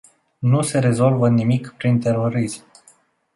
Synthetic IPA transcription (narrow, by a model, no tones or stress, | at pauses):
nuse̞ɾe̞zo̞lvənimikpɾint̪e̞ɾo̞ɾism